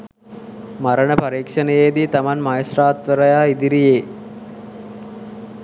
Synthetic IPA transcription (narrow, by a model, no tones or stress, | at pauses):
maɾəɳəpaɾiːkʂənəjed̪iːt̪amanmajəsraːt̪ʋəɾəjaːid̪iɾijeː